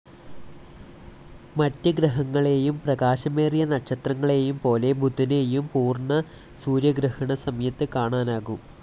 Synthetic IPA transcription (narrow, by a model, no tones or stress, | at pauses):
mɐtːɨɡrɨɦɐŋːɐɭe̞ːjumprɐɣaːɕɐme̞ːrijɐnɐʈʂɐt̪rɐŋːɐɭe̞ːjumpo̞ːle̞bʱud̪ʱːine̞ːjumpuːrnɐ | suːɾjɐɡrɨhɐɳɐsɐmɐjɐt̪ːɨkaːɳaːnaːɣum